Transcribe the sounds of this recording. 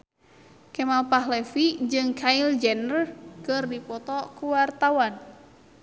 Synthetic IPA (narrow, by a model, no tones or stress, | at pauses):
kɛmalpaɦlɛfid͡ʒɨŋkʰaild͡ʒɛnərkɨrdipɔt̪ɔkuwart̪awan